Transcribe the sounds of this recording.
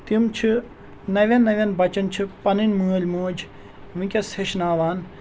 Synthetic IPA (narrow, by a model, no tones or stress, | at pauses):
t̪imt͡ʃʰi | nɐʋʲɐnːɐʋʲɐnbɐt͡ʃɐnt͡ʃʰipɐninʲmuːlʲmuːd͡ʒ | ʋĩkʲɐsheʃnaːʋaːn